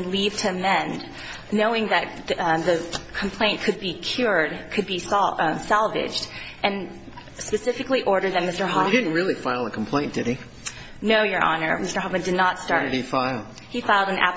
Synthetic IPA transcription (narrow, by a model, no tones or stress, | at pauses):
nliv̥tʰɨɨmɛ̃nd | noʊɪ̃ŋðɨt̪̚ðɨkʰm̩pʰl̥ẽɪ̃nkʰɨd̚bikʰj̥ʊɹdkʰɨd̚bissælˠvɪ̰d͡ʒd | ʔɨ̃n | spɨsɪfɨkliʔɔɹɾə˞ðɨt̚mɪstə˞ɦɑɾɪdⁿn̩t̚ɹɪlˠifaɪlˠəkʰm̩pʰl̥ẽɪ̃nd̥ɨɾ̚i | noʊjə˞ʔɑ̰nə̰˞mɪstə˞ɦɑpbɨ̃ndɨdⁿnətstɑɹɨɾifaɪlˠ | hifaɪlˠdɨ̃næ̰p